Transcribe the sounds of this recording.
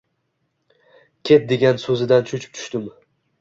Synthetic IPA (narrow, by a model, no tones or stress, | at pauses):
kʲʰe̞t̪̚d̪e̞ɡʲansɵzɪd̪ant͡ʃʰʊt͡ʃʰɪ̥p̚t͡ʃ̪ʰʊ̥ʃt̪ɪm